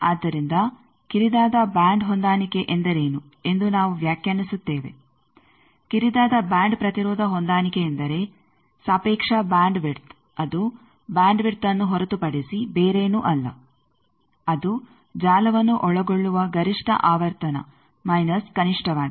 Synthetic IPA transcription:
aːd̪ːɐɾind̪ɐ | kiɾid̪aːd̪ɐbaːɳɖɦond̪aːnikeʔend̪ɐɾe̞ːnu | e̞nd̪unaːʋuʋjaːkjaːnisut̪ːeːʋe̞̰ | kiɾid̪aːd̪ɐbjaːɳɖpɾɐt̪iɾɔːd̪ʱɐɦond̪aːnikeːnd̪ɐɾe̞ | saːpeːkʂɐbaːɳɖʋiɾt̪ | ɐd̪u | bjaːɳɖʋiɾt̪ɐnːuɦɔɾɐt̪upɐɽisibeːɾeːnuʔɐlːɐ̰ | ɐd̪u | d͡ʒaːlɐʋɐnːuʔɔɭɐɡoɭːuʋɐɡɐɾiʂʈɐ̰ʔaːʋɐɾt̪ɐnɐ̰ | mɐjnɐskɐniʂʈʰɐʋaː

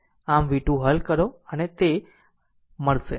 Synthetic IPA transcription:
amʋiʈũɦəlkəɾoənet̪e | məɭʃe

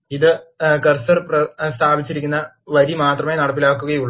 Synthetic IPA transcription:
iðɨkɐrsɐrprɐst̪ʰaːbit͡ɕːiɾik̬ʲːunːɐ | ʋɐɾimaːt̪rɐmeːnɐɽɐp̬ːilaːkːuɣɐjuɭː

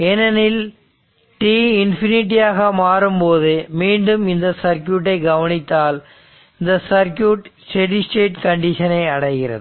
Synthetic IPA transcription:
ɛnɐnɪl | ʈiːɪnfɪnɪʈ̬ːijaːɣɐmaːrɯmpoːðɯmiːɳɖɯmɪnd̪ɐsɐɾkjuːʈːɐɪɡɐʋɐnɪt̪ːaːl | ɪnd̪ɐsɐɾkjuːʈsʈɛɖɪsʈeːʈkɐɳɖɪʂɐnɐɪɐɽɐɪɣɪrɐ̰ðɨ

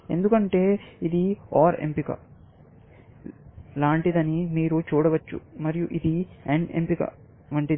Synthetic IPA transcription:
e̞̰nd̪ukɐɳʈeːid̪iaːɾḛmpikɐ̰ | laːɳʈid̪ɐnimiːɾut͡ʃuːɽɐʋɐt͡ʃːṵmɐɾijuʔid̪ieɳempikɐ̰ | ʋɐɳʈid̪

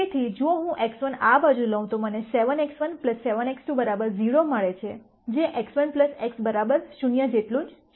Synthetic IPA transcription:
et̪ʰid͡ʒooɦũʔeksʋənabad͡ʒũləɦũt̪oməneseʋəneksʋənpləsːeʋəneksʈũbəɾabəɾziɽoməɭet͡ʃʰe | d͡ʒeʔeksʋənpləseksbəɾabəɾʃunjəd͡ʒeʈlũd͡ʒ

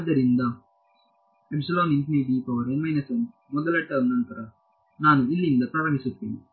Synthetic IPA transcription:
ad̪ɐɾind̪ɐ | episɐloːninʈiniɖipɐʋɐɾenɐmɐjnɐsɐn | mɔd̪ɐlɐʈːɐunɐnt̪ɐɾa | naːnuilːind̪ɐt̪ɐʋɐnisupːind̪i

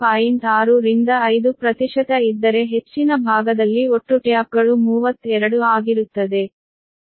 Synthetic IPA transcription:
paːjiɳʈaːɾuɾind̪ɐɐjd̪upɾɐt̪iʂɐt̪ɐid̪ːɐɾe̞ɦe̞t͡ʃːinɐbʱaːɡɐd̪ɐlːioʈːuʈjaːp̚ɡɐɭumuːʋɐt̪ːɛɾɐɽuaːɡiɾut̪ːɐd̪e̞

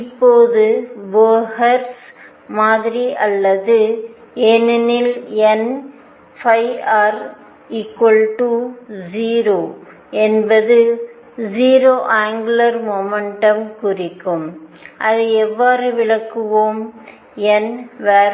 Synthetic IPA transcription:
ɪpːoːðɯʋoːhɐɾs | maːðɪɾiʔɐlːɐðɯ | ɛnɪnɪlɛn | fɐɪaːɾ | ikʋɐlʈuziːɾoː | ɛnbɐðɯ | ziːɾoːʔaːŋɡɯlɐɾmomɐɳʈɐmkʊrɪkːɯmʔɐðɯɛʋːaːɾɯʋɪɭɐkːɯʋoːm | ɛnʋɛːɾ

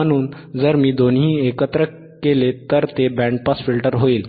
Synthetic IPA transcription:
əñuːn | d͡zəɾmiːd̪onɦĩːekət̪ɾə | kelet̪əɾt̪ebɛ̃ɳɖ̚pasfilʈəɾɦoiːl

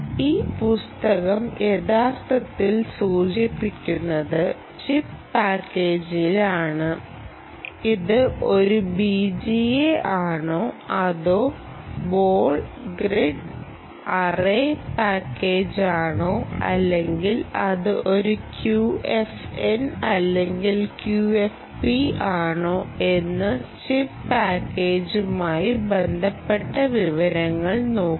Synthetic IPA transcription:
iːpust̪ɐɣɐmʔeðaːst̪ɐt̪ːilsuːt͡ɕipːikʲːunːɐðɨ | t͡ɕippaːkːe̞ːd͡ʑilaːɳɨ | iðɨo̞ɾubid͡ʑijeʔaːɳo̞ːɐðo̞ː | bo̞ːɭɡreɖ | ɐreːpaːkːe̞ːd͡ʑaːɳoːɐ̰lːe̞ŋɡilɐðɨʔo̞ɾukjuefenɐlːe̞ŋɡilkjuːef | piaːɳoːe̞nːɨt͡ɕippaːkːe̞ːd͡ʑumaːjibe̞nd̪ʱɐpːe̞ʈːɐʋiʋɐɾɐŋːɐɭno̞ːk

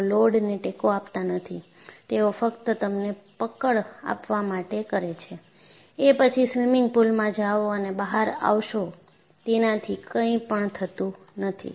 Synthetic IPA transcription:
loɽneʈekoapt̪anət̪ʰi | t̪eofəkt̪ət̪əmnepəkəɭa̰pʋamaʈekəɾet͡ʃʰe | epət͡ʃʰisʋimɪŋɡ̚pulmãd͡ʒaʋoənebaɦaɾa̰ʋʃo | t̪enãt̪ʰikəĩpəɳt̪ʰət̪ũ | nət̪ʰḭ

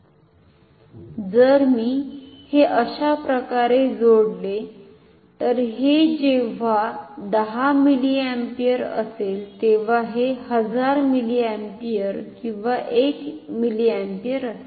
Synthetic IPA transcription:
d͡zəɾmiːheʔəɕapɾəkaɾed͡zoɽle | t̪əɾɦed͡ʑeʋ̤ad̪əɦamiliæmpijəɾə̰selt̪eʋ̤aɦehəd͡zaɾmiliɛmpijəɾkĩw̃ʋaʔekmiliæmpijəɾəse

